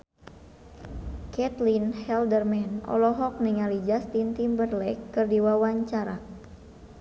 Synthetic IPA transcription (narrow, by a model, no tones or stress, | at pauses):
kɛt̪linhɛldərmɛnɔ̰lɔɦɔk̚niŋalid͡ʒast̪int̪imbərlɛkːɨrdiwawaɲt͡ʃaɾa